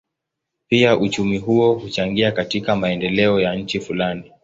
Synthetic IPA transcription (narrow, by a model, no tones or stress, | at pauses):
piaʔut͡ʃumiɦuɔhut͡ʃaŋɡiakatikamaɛndɛlɛɔjaɲ̩t͡ʃifulani